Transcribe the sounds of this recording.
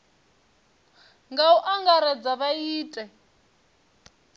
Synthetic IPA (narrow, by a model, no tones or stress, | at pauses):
ŋɡauʔaŋɡaɾɛd͡zaβaiːtʼɛ